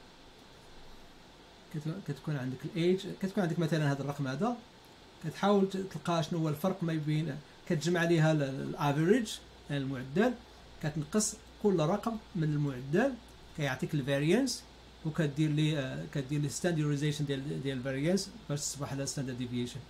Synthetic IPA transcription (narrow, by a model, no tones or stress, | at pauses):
kæt̪kunʕənd̪əkəlʔed͡ʒkæt̪kunʕənd̪əkmæt̪ælənhæd̪ərˤːɑqmhæd̪æ | kæt̪ħawəlt̪əlqɑʃnhʊwːælfɑɾˤqmæjbin | kæt̪əʒmaʕliɦællʔævəɾəd͡ʒ | nəlmʊʕəd̪ːæl | kæt̪ənqəsˤ | kʊlːrˤɑqəmːənəlmʊʕad̪ːæl | kæjoʕt̪ˤikəlvæɾjəns | wkæt̪̚d̪iɾlikæt̪d̪iɾlist̪ænd̪juɾizæʃənd̪æld̪jælvæɾijənsbæʃsˤbɑħlæst̪ænd̪ɑɾd̪ivjeʃən